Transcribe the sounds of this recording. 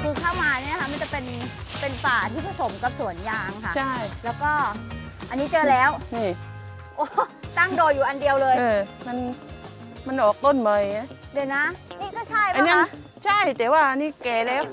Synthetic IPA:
kʰɯː˧kʰaː˥˩wmaː˧ni˥˩˨na˧kʰa˦˥ma˧˥˨nt͡ɕa˨˩pe˧npe˧nfaː˨˩t̪ʰiː˥˩pʰa˧so˩˦mka˨˩p̚su˨˩˦ənjaː˧ŋkʰa˥˩t͡ɕʰa˥˩jlɛː˦˥wkɔː˥˩ | ʔa˧nːiː˦˥t͡ɕɤː˧lɛː˦˥wniː˧˩ | ʔoː˧˩t̪a˥˩ŋdoː˧jːuː˨˩ʔa˧ndi˧əwlɤː˧jʔɤː˧ma˧n | ma˧nʔɔː˨˩k̚t̪o˥˩nma˧ja˦˥di˧˩na˦˥niː˥˩kʰɔː˥˩t͡ɕʰa˥˩ja˧˩na˦˥˨ | t͡ɕʰa˥˩jt̪ɛː˨˩waː˥˩ʔa˧niː˦˥kɛː˨˩lɛː˦˥w

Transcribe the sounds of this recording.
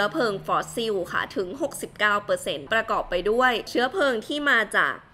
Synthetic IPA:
ɐpʰɤː˧ŋfɔː˦˥si˧˥wkʰa̰˧˥˩t̪ʰɯ˩˦ŋɦo˨˩k̚si˨˩p̚kaː˥˩wpɤː˧se˧npɾa˧kɔː˨˩pːa˧jdu˥˩əjt͡ɕʰɯ˦˥ɐpʰɤː˧ŋt̪ʰiː˥˩maː˧t͡ɕa̰ː˨˩k̚

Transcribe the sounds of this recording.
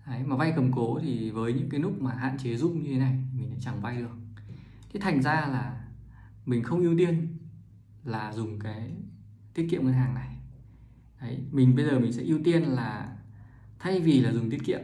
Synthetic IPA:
ʔə˨˦jmaː˨˩va˧jkə˨˩mko˨˦t̪ʰi˨˩vəː˨˦jɲɨ̰˧˥ŋkaː˨˦jlʊ˦˥k̚maː˨˩ɦa̰ː˧˨nt͡ɕe˨˦zʊ˧ŋ͡mɲɨ˧t̪ʰe˨˦na˨˩jt̪ʰi˨˩mï˨˩ŋ̟ʔa̰˧˥t͡ɕa˨˩ŋva˧jɗɨ˨˩ək̚ | t̪ʰi˨˦t̪ʰa˨˩jŋ̟zaː˧laː˨˩ | mï˨˩ŋ̟xə˧wŋ͡mʔi˧əwt̪i˧ən | laː˨˩zʊ˨˩ŋ͡mkaː˨˦j | t̪ʰi˦˥ət̚kḭ˧˨əŋə˧nɦaː˨˩ŋna˨˩j | ʔə˨˦jmï˨˩ŋ̟ɓə˧jzəː˨˩mï˨˩ŋ̟sɛ̰˧˥ʔi˧əwt̪i˧ənlaː˨˩ | t̪ʰa˧jvi˨˩laː˨˩zʊ˨˩ŋ͡mt̪ʰi˦˥ət̚kḭ˧˨əm

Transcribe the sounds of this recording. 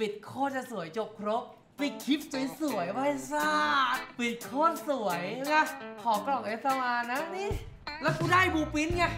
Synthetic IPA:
pi˨˩t̪̚kʰoː˥˩t̪̚t͡ɕa˨˩su˨˩˦əjt͡ɕo˨˩p̚kʰɾo˦˥p̚ | pi˨˩t̪̚kʰi˦˥p̚t͡ɕu˨˩˦jsu˨˩˦jwa˧˩˧saː˥˩pi˨˩t̪̚kʰoː˥˩t̪̚su˨˩˦jŋa˧˥˩kʰɔː˨˩˦klɔ˨˩ŋ̚ʔe˧˩sa˧˩wʔaː˧na˦˥niː˧˥˩ | lɛ˦˥wkʰuː˧˩daː˥˩jbuː˧pi˦˥nŋa˧˩

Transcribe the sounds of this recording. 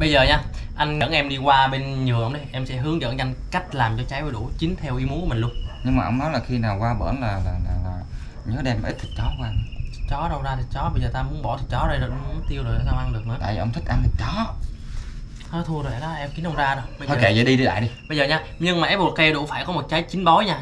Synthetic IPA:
ɓə˧jzəː˨˩ɲaː˧ʔa˧jŋ̟ə̰˧˥nʔɛ˧mɗi˧kwaː˧ɓe˧nɲɨ˨˩ʔə˧wŋ͡mɗə˨˩ʔɛ˧msɛ̰˧˥ɦɨ˨˦əŋzə̰˧˥˨nʔa˧ŋ̟ka˦˥jk̟̚laː˨˩mt͡ɕɔ˧t͡ɕa˨˦jvə˨˩ɗṵ˧˩t͡ɕï˨˦ŋ̟t̪ʰɛ˧wʔi˨˦mu˦kmi̟˨˩lu˧ənɲɨ˧ŋmaː˨ʔə˧wŋ͡mnɔ˨˦jlaː˨˩xi˧naː˨˩wkwaː˧ɓə̰ː˧˩nlaː˨˩laː˨˩laː˨˩laː˨˩ | ɲəː˨˦ɗɛ˧mʔi˦˥t̚t̪ʰi˨˩k̚t͡ɕɔ˨˦kwaː˧˨˩t͡ɕɔ˨˦ɗə˧˩wzaː˧t̪ʰi˨˩k̚t͡ɕɔ˨˦ɓə˧jzəː˨˩t̪aː˧mu˨˦ənɓɔ˧˩t̪ʰi˨˩t͡ɕɔ˨˦zə˧˩jzo˨˩jʔə˧ŋ͡mmu˨˦t̪i˧əwzo˨˩ja˨˧˩t̪aː˧maː˧ŋɗɨ˨˩ək̚nɨ̰˧˥a̰ː˧˨ji˨˩ʔə˧wŋ͡mt̪ʰi˦˥k̟̚ʔa˧nt̪ʰi˨˩t͡ɕɔ˨˦ | ɔː˨˦t̪ʰu˧əzo˨˩˨laː˨˦ʔɛ˧mki˨˦ənʔə˧wŋ͡mzaː˧ɗə˧˩ɓə˧zɔ˧˨˩ke˧˩zə̰˧˩˦ɗi˧ɗi˧ɗa̰ː˧˨jɗi˧ɓə˧jzəː˨˩ɲaː˧ɲɨ˧ŋmaː˨˩ʔe˦˥pɓkːa˧ɗṵ˧˩faː˧˩jkɔ˨˦mo˨˩t̚t͡ɕaː˨˦jt͡ɕï˨˦ŋ̟ɓɔ˨˦jɲaː˧

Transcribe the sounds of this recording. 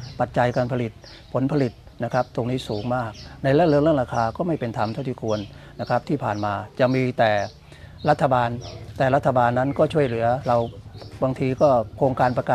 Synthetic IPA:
pa˨˩t̪̚t͡ɕa˧jkaː˧npʰa˧li˨˩t̪̚ | pʰo˩˦npʰa˧li˨˩t̪̚ | na˦˥kʰa˦˥p̚t̪o˧ŋniː˦˥suː˩˦ŋmaː˥˩k̚na˧jlɛː˦˥˩lɯː˧˥˨ŋlɯ˥˩ŋɾaː˧kʰaː˧kɔː˥˩ma˥˩jpe˧nt̪ʰa˧mt̪ʰa˥˩wt̪iː˥˩kʰu˧ənː | a˦˥kʰa˦˥p̚t̪ʰiː˥˩pʰaː˨˩nmaː˧t͡ɕa˨˩miː˧t̪ɛː˨˩ | ɾa˦˥t̪ʰːa˧baː˧nt̪ɛː˨˩ɾa˦˥t̪ʰːa˧baː˧nːa˦˥nkɔː˥˩t͡ɕʰu˥˩əjlɯ˩˦ɐɾa˧wbaː˧ŋt̪ʰiː˧kɔː˥˩kʰɾoː˧ŋkaː˧npɾa˧kaː˨˩

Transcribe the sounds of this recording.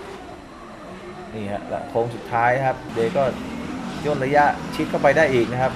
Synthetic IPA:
niː˥˩hɛ̰˦˧˥ʔla̰˧˥kʰoː˧ŋsu˨˩t̪ʰːaː˦˥jkʰa˦˥p̚deː˧kɔː˥˩ju˥˩ənɾa˧ja˦˥ʔt͡ɕʰi˦˥t̪̚kʰa˥˩wpa˧jdaː˥˩jʔiː˨˩k̚na˦˥kʰa˦˥p̚

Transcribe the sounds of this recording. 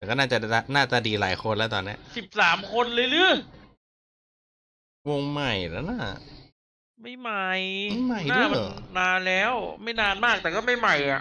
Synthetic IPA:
ɛ˨kɔː˥˩naː˥˩t͡ɕa˨˩˧naː˥˩t̪a˧˩diː˧la̰ː˩˦jkʰo˧nlɛ˦˥˩t̪ɔː˧nːi˦˥ɐ˧si˨˩p̚saː˩˦mkʰo˧nlɯː˧jlɯː˦˥˩ | wo˧ŋma˨˩jlɛ˨˥naː˥˩ | ma˥˩jma˧˩jm˥˩ma˥˩jnadɯː˥˧˩naː˧nlɛː˦˥˩wma˥˩jnaː˧nmaː˥˩k̚t̪ɛː˨˩kɔː˥˩ma˥˩jma˨˩ja̰˨˩ʔ

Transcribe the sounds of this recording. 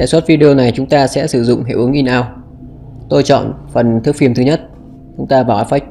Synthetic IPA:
ɗa̰ː˨jswə˦˥t̚vi˧ɗi˧o˧na˨˩jt͡ɕʊ˨˦ŋ͡mt̪aː˧sɛ̰˧˥sɨ˧˩zʊ̰˧˨ŋ͡mɦḛ˧˨ʔu˨˦əŋʔi˧nʔaː˧w | t̪o˧jt͡ɕɔ̰˧˨nfə˨˩nt̪ʰɨ˦˥əkfi˧˩əmt̪ɨ˨˦ɲə˦˥t̚ | t͡ɕʊ˨˦ŋ͡mt̪aː˧vaː˨˩ʔaː˨˦fa˦˥k̟̚

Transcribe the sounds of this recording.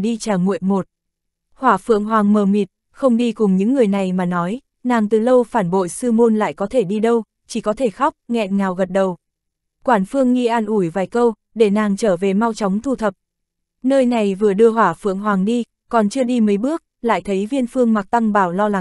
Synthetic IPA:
ɗi˧t͡ɕaː˨˩ŋṵ˧˨əjmo˨˩t̚ | hwaː˧˩fɨ̰˧˨əŋɦwaː˨˩ŋməː˨˩mi˨˩t̚ | xə˧wŋ͡mɗi˧kʊ˨˩ŋ͡mɲɨ̰˧˥ŋːɨ˨˩əjna˨˩jmaː˨˩nɔ˨˦j | naː˨˩ŋt̪ɨ˨˩lə˧wfaː˧˩nɓo̰˧˨jsɨ˧mo˧nla̰ː˧˨jkɔ˨˦t̪ʰe˧˩ɗi˧ɗə˧w | t͡ɕi˧˩kɔ˨˦t̪ʰe˧˩xa˦˥wk͡p̚ŋɛ̰˧˨nŋaː˨˩wɣə˨˩t̚ɗə˨˩w | kwaː˧˩nfɨ˧əŋŋi˧ʔaː˧nʔu˧˩jvaː˨˩jkə˧w | ɗe˧˩naː˨˩ŋt͡ɕəː˧˩ve˨˩ma˧wt͡ɕɔ˨˦wŋ͡mt̪ʰu˧t̪ʰə˨˩p̚ | nəː˧jna˨˩jvɨ˨˩əɗɨ˧əɦwaː˧˩fɨ̰˧˨əŋɦwaː˨˩ŋɗi˧ | kɔ˨˩nt͡ɕɨ˧əɗi˧məː˨˦jɓɨ˦˥ək̚la̰ː˧˨jt̪ʰə˨˦jvi˧ənfɨ˧əŋma˨˩k̚t̪a˧ŋɓaː˨˩wlɔ˧la˨˦ŋ

